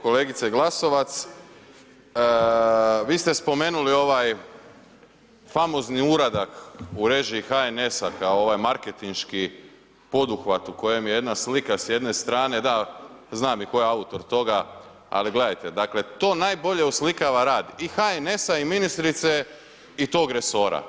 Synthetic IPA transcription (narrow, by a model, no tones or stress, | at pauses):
ko̞le̞ːɡit̪seɡlaso̞ʋat̪s | ʋiːst̪e̞spo̞me̞ːnulio̞ʋaj | famo̞zniuɾad̪akuɾe̞ʒiːxae̞ne̞sakaooʋaːjmaɾket̪inʃki | po̞d̪uxʋat̪uko̞je̞mjejed̪naslikasje̞d̪ne̞st̪ɾaːne̞d̪aznaːmiko̞jeaut̪o̞ɾt̪o̞ɡa | a̰liɡle̞d̪ajt̪e̞d̪akle̞t̪o̞ːnaːjbo̞ʎe̞uslikaʋaɾaːd̪ixaene̞saiminist̪ɾit̪se̞ | it̪o̞ːɡɾe̞so̞ːɾa̰